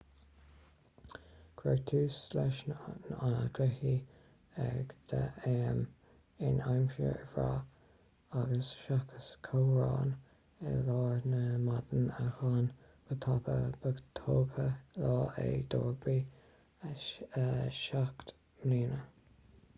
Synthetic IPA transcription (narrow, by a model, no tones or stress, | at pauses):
kʰɾɛɡt̪ʰuːslɛʃnnanɡʰɾɪhi | ɛɡd̪̥əɛːm | ɪnajmʃə̰ɹvɹaː | aɡəsʃakʰəskʰowɹɑːn | ɛlɑːɹnəmad̪ənaxɑːn | kət̪ʰapəbəɡt̪ʰoːkʰəlɑːʔed̪oːɹɡbiː | əʃakt̪ | mliːnə